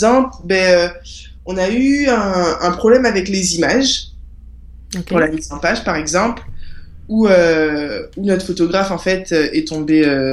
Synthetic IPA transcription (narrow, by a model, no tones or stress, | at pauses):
zɑ̃plbɛø | ɔ̃nayɛ̃ɛ̃pχɔblɛmavɛklezimaʒ | puʁlamizɑ̃paʒpaʁɛɡzɑ̃pl | uø | unɔt̪χfot̪ɔɡʁafɑ̃fɛt̪ʰøʔɛt̪ɔ̃beø